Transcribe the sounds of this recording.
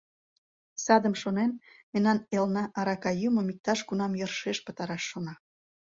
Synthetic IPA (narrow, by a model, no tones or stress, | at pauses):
sɑd̪əmʃonenmenːɑnelnɑʔɑɾɑkɑjuməmik̚t̪ɑʃɡunɑmjərʃeʃpə̆t̪ɑɾɑʃːonɑ